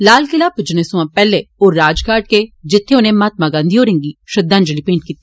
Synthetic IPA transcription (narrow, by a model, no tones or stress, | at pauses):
laːlkɪlaːpd͡ʒənesũãːpɛːleoːɾaːd͡ʒkaːʈ̚ked͡ʒɪt̪ʰːẽonẽːmaːt̪̚maɡãːnd̪ioːɾẽːŋɡiːʃəd̪ãːnd͡ʒəlipẽːɳʈ̚kiːt̪ːi